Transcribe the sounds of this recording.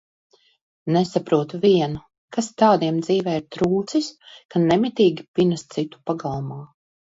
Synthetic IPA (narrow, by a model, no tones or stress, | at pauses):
nesapɾuɔt̪uviɛnu | kast̪aːd̪iɛmd̪ziːvɛːiɾt̪ɾuːt̪siskanɛmit̪iːɡʲipinast̪sit̪u̥paɡalˠumaː